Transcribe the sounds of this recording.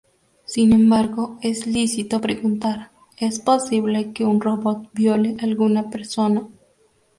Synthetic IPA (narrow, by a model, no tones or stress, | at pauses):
sinẽmbaɾɣo̞eslisit̪opɾeɣunt̪aɾ | e̞sposiβle̞ke̞unro̞βot̪̚bjo̞leʔalɣunape̞ɾso̞na